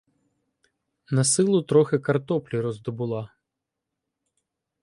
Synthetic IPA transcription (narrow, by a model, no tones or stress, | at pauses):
nɐsɪlˠʊt̪ɾɔxɪkɐrt̪ɔplʲiɾɔzd̪ɔbʊlˠɑ